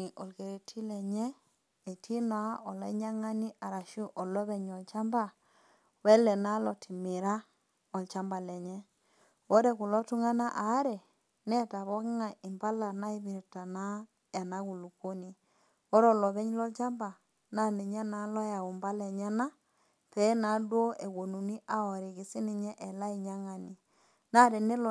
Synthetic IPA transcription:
i˨ʔɔ˨lke˨ɾe˨tʰi˦lɛ˨ɲɛː˦˨ | tʰi˦n˨a˦ɔ˨la˨˦i˦ɲa˦ŋa˦ni˦a˨ɾa˨ʃu˦ʔɔ˨lɔ˦βɛ˦˨ɲɔ˨lt͡ʃa˦mba˦˨ | wɛ˦lɛ˨na˦lɔ˨tʰi˨mi˨ɾa˦ | ɔ˨lt͡ʃa˦mba˨lɛ˨ɲɛ˦ | wo˦ɾɛ˨ku˨lɔ˦tu˦ŋa˦na˦ʔa˨˦ɾɛ˨ | nɛ˦ta˨βɔ˦kŋa˨ʔi˨mba˦la˨na˦i˦βi˨ɾta˨na˦ | ja˨na˦ɣu˨lu˨ko˦ni˨ | ɔ˦ɾɔ˦lɔ˨βɛ˦ɲ˦lɔ˦lt͡ʃa˦mba˨ | na˦ne˨ɲa˦na˨˦lɔ˦ja˨u˨mba˦lɛ˨ɲɛ˦na˦ | pɛ˨˦na˨˦dwo˦ʔe˨ɣo˨nu˨ni˦ʔa˨ɔ˨ɾe˨ɣi˨si˦ni˨ɲɛ˦ʔɛ˨la˦i˨ɲa˦ŋa˨ni˨ | na˦ɾɛ˨ne˦l

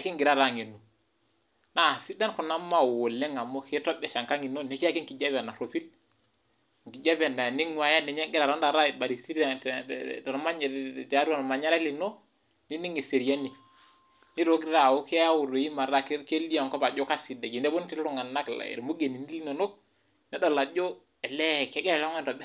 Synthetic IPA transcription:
a˨ki˦ŋɡi˨ɾa˦ɾa˦˨ŋe˨no˨ | na˦˨si˦da˦nko˨na˦mːa˦˨wo˨lːe˦ŋa˨mo˦ke˦to˦be˨sa˨ŋka˦ŋi˨no˦ne˨ki˦ja˦ki˦ŋki˨d͡ʒa˦βa˨na˨ɾo˨fi˦l | ŋ˨ki˨d͡ʒa˦ve˨na˨ni˦ŋwa˨ja˦ne˨ɲe˦ŋɡi˦ɾa˨ɾo˦nda˨ɾa˦˨ba˨ɾi˨si˦ɾa˨ | ɾma˦ɲ˨ta˨˦ɾa˨n˨ma˨ɲa˦ɾa˦li˨no˦ | ni˦ni˦ŋe˨se˨ɾi˨a˦ni˨ | ni˦ɾo˦ɡɾa˦˨wo˦ke˦a˦wu˨ɾo˨ji˦ma˨ɾa˦kke˦li˦a˨ŋko˦ba˨d͡ʒo˦ka˦si˨da˨ɡi˨nde˦bo˦n˦ti˦lɾo˦ŋa˨na˦kl̰ɾmo˦ɡe˨ni˨ni˦li˦no˨no˦ | nɛ˨˦ɗo˨la˨d͡ʒo˦ | ɛ˨lɛ˦˨ke˦ɡɛ˦ɾa˨lŋa˦n˨tɔ˨ɓɛ˦

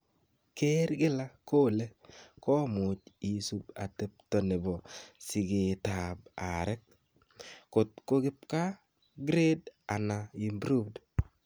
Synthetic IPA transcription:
ke˦ɾɡɪ˦la˦ko˦˨le˦kɔ˦mʊ˨t͡ʃi˨su˨ba˨te˨p̚tɔ˨ne˨bɔ˨sɪ˨ɡe˨ta˨ba̰˨ɾɛ˦k̚ | ko˨t̚ko˦ɡɪ˦p̚ka˦ | ɡɾe˦da˨na˨i˨mbɾu˦bd

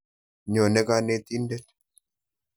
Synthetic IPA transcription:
ɲoː˨nːɛ˦kaːnːe˦t̪ːind̪ɛt̪ː

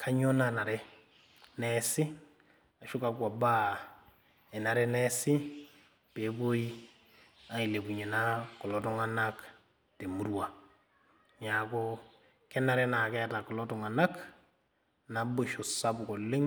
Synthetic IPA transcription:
kʰa˦ɲo˦na˦na˨ɾe˦ | nesi˦ | a˨ʃu˦ka˨kwa˨ba˦ | e˨na˨ɾe˦ne˦si˦ | pe˨˦bo˦i˦ | a˨ŋi˨le˨bu˨ɲe˨na˦ko˨lo˦to˦ŋa˦na˦k | te˨mu˦ɾuwa˨ | ɲa˨ko˦ | ke˦nːa˨ɾe˦na˨ke˦a˨ta˨ko˨lo˦to˨ŋa˨na˦k | na˨bo˦ʃo˨sa˦bu˨ko˨lːi˦ŋ

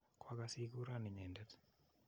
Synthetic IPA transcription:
kwakasi˦k̬u˦ɾani˨ɲɛ˨ndɛ˦t̪

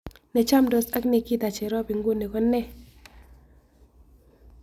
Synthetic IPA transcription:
nɛ˨t͡ʃa˦˨mdɔ˨sa˦kne˨ki˦˨t̪a˨t͡ʃɛ˨ɾɔ˦pi˨ŋɡo˦˨ne˨kɔ˦nɛ˦

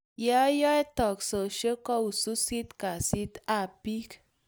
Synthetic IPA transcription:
jɛ˦jɔ˦e˦t̪ɔ˨kso˨ʃə˦kɔ˦u˨su˦si˦t̪ka˨si˦t̪a˦˨pi˦k

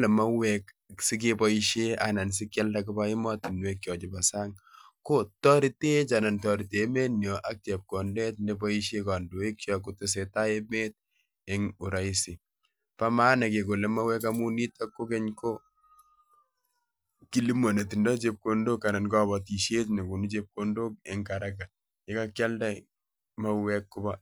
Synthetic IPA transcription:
le˨ma˦wɛk | sɪ˦k̬e˦pɔ˦iʃe˦a̰˨na˨ns̬ɪ˦kja˦lta˦kɪ˦ba˦ɪ˦mɔ˦ti˨nwe˦kːjɔ˨t͡ʃɪ˨ba˨sa˦ŋ | ko˦tɔ˦ɾi˦te˦t͡ʃa˨na˨ntɔ˨ɾi˨te˨me˦njɔ˨ʔa˦k̚t͡ʃe˨p̚ko˨nde˦tne˦bɔ˦i˦ʃe˦ka˨ndo˨e˦kjɔ˨ku˦tʊ˦s̬e˨ta˦e˦me˦t̚ | e˦ŋu˨ɾa˦i˦si˨ | pa˦maː˦na˨ke˨ko˨le˦ma˦wɛ˦ka˦mu˦ni˦ta˦kːo˦ke˦ɲko˦ | ki˦li˦mo˨ne˨ti˨ndɔ˦t͡ʃe˦p̚ko˨ndo˦kːa˨na˨nkɔ˦βɔ˨ti˨ʃe˦t̬ne˨ku˨nu˦t͡ʃe˦p̚kondo˦k̚e˨ŋka˨ɾaka˨ | ɪ˦ka˦kja˦lda˦ | ma˦wɛkːu˦ba

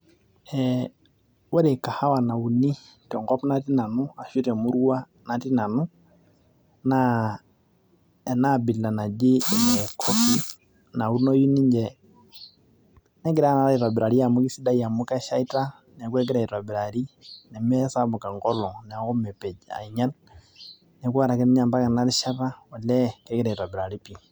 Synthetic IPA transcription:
ɛ | wɛ˦ɾɛ˨ka˨ha˦wa˨na˨u˨ni˦ | tɔ˨ŋɡɔ˦pna˦ti˦na˨nua˨ʃi˦ɾɛ˨mu˦ɾu˦a˦ | na˨ti˦na˨nu˦ | na | ɛ˨na˦bi˨lla˨na˨d͡ʒi˦˨nɛ˨kʰɔ˦fi˦ | na˨u˦nɔ˦ju˦ni˦ɲd͡ʒɛ | nɛ˦ɡɛ˦ɾa˦na˨ɾa˦i˨ta˨bɛ˨ɾa˨ɾi˦ja˨mu˦ki˦si˦da˦ija˨mu˦ka˦ʃa˦i˦ta˦ | nɛ˨k̬wɛ˦k̬ɛɾa˨i˨ta˨bɛ˨ɾa˨ɾi˦nɛ˨mɛ˦sa˦mu˨ka˨ŋɡɔ˦lɔ˨nɛ˨a˨kɔ˦mɛ˨pɛ˨d͡ʒa̰˨i˨ɲa˦l | nɛ˨ku˦a˦ɾa˨kɛ˦nɛ˦ɲa˨mba˦ka˨na˦ɾi˦ʃa˦ra˦ɔ˨lɛ˦kɛ˦kɛ˦ɾa˨i˨ta˨bɛ˨ɾa˨ɾi˦pi˨

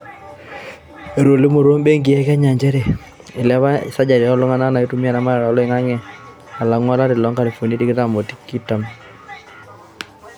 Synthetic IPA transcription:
e˨ɾo˨li˦mo˨ɾo˦mbe˦ŋɡɪ˨jɛ˦ka˦ɲa˨ɲd͡ʒe˦ɾe˨ | ɪ˨lɛ˦βa˦ɪ̰˨sa˦d͡ʒa˨ɾɔ˦lɔ˦ŋa˦na˦na˨i˦tu˦m˦a˦na˦ma˦ɛ˨ɾa˨ɔ˦lɔ˦ɪ˨ŋa˦ŋɛ˦ | a˨la˨˦ŋwɔ˦la˦ɾɪ˨lɔ˨˦ŋka˨li˨fo˨ni˦ti˦kɪ˦ta˨mo˨ti̥˦kːi˦ta˨m

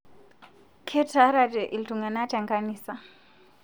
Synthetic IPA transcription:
kʰɛ˦tʰa˨˦ɾa˨dɛ˨ʔi˨ltu˨ŋa˨na˦ta˨ŋɡa˦niː˨sa˨

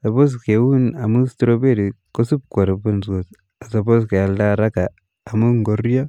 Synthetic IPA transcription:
sa˨po˦s̬ke˨wu˦na˨mu˦stɾo˦be˦ɾi˨ko˦su˦p̚ko˨ɾbu˦nsko˨s | a˨sa˨bo˦ske˨a˨lda˦ɾa˦kaː˨ | mu˦ŋɡorjɔ˦

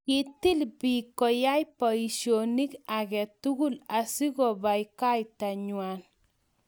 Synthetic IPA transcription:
kiti˦lpi˨kɔ˨ja˦jpɔ˨i˨ʃjoni˦ka˨kɛtuɡu˦lasi˦kɔ˨bajka˦jtaɲwan

